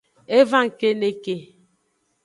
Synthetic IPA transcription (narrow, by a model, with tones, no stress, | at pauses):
e˦va˦˨ŋ˨ke˦ne˦ke˨